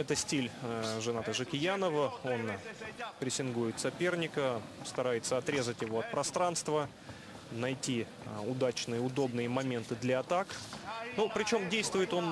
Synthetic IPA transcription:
ɛt̪əsʲtʲilʲʐɨnat̪əʐɨkʲɪjanəvəo̞npɾʲɪsʲɪnɡujɪt̪sɐpʲe̞rnʲɪkəst̪ɐɾajɪt̪səɐt̪ɾʲe̞zətʲjɪvo̞ɐt̪̚pɾɐst̪ɾanst̪və | nɐjtʲi | ʊd̪at͡ɕnɨjəʊd̪o̞bnɨjəmɐmʲe̞nt̪ɨd̪lʲɐɐt̪aknupɾʲɪt͡ɕo̞mdʲejst̪vʊjɪt̪o̞n

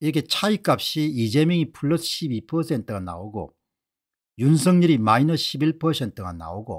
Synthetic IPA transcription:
iɾʌk̬ʰe̞t͡ɕʰaik͈ap̚ɕ͈iid͡ʑe̞mjʌŋipʰuɭːʌsɕ͈ʰibipʰʌsʰe̞ntʰɯɡana̰oɡo̰ | junsʰʌŋɲiɾimainʌɕʰibiɭpʰʌsʰe̞ntʰɯɡa̰na̰oɡo̰

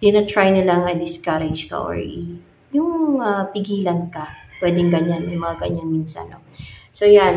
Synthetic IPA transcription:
d̪̥ɪnɐt̪ɹajnɪlaŋɐd̪ɪskaɾɛd͡ʒkɐ̰ʔo̰ɹʔi | jʊŋapɪɡiːlɐnkɐpwɛːd̪ɪŋɡɐɲanmɐjmɐŋaɡɐɲanmiːnsɐ̰nosojan

